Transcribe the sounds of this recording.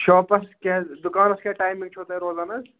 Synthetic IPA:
ʃoːpɐsked̪ʊkaːnɐskʲeʈaːjmĩŋɡt͡ʃʰoːt̪ejɾoːzaːnɐs

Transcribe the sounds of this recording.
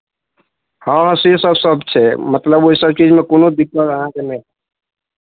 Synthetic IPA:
hə̃ɦãsisəbsəbt͡ʃʰɛmət̪ləboisəb̚t͡ʃid͡ʒmẽkonod̪ikːəɾəɦãkenɛ̃

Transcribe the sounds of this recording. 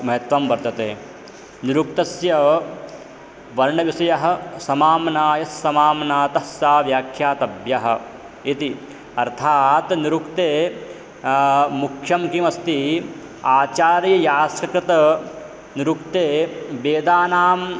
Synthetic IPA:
mɐɦɐt̪ʋɐmʋɐɾt̪ɐt̪eː | niɾuk̚t̪ɐsjɐ | ʋɐɾɳɐʋisɐjɐɦɐ̆sɐmaːmnaːjɐsːɐmaːmnaːt̪ɐsjaːʋjaːkʰjaːt̪ɐbjɐɦɐ̆ | it̪i | ɐɾt̪ʰaːt̪niɾukt̪eː | mukʰjɐmkimɐst̪i | aːt͡ʃaːɾjɐjaːskɐkɾɐt̪ɐ | niɾukt̪eːbeːd̪aːnaːm

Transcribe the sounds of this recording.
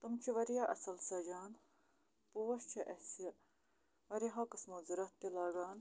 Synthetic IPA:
t̪umt͡ʃʰiʋɐɾijaːʔɐsɐlsɐd͡ʒaːn | puːʋɐʃt͡ʃʰɐʔɐsiɐ | ʋɐɾiɦõːkɐsmoːziɾɐt̪ːilaːɡaːn

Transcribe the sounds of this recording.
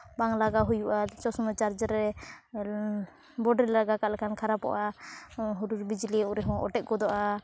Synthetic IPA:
baŋlaɡaɦujuʔat͡ʃɔsɔmɛt͡ʃaɾd͡ʒəɾɛ | bɔɖɛɾlaɡakaʔlɛkankʰaɾapɔ̰ʔa | ɦuɾuɾbid͡ʒliuɾɛɦɔ̃ʔɔ̰ʈɛʔ̪̚ɡɔd̪ɔʔa

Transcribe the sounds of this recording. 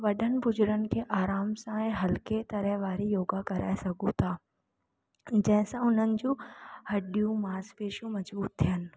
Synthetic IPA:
ʋɐɗʱənɪ̆bʊd͡ʑʊɾənɪ̆kʰeːʔaːɾaːmsãɛ̃ːɦɐlket̪ɐɾəɦʋaːɾijoːɡakɐɾa̰ːesɐɡʱũt̪ʰaː | d͡ʑɐ̃ɦɪ̃sãʊn̤ənɪ̆d͡ʑũːhɐɗijũmaːspeːʃũmɐd͡ʑbuːɾ̚t̪ʰijənɪ̆

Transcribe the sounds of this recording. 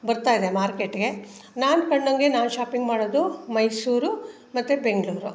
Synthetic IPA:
bɐɾt̪aːid̪emaːɾkeʈːɡe̞naːnkɐɳːoŋɡenaːnuʃaːpiŋɡmaːɽoːd̪umɐjsuːɾu | mɐt̪ːubeŋɡɭuːɾu

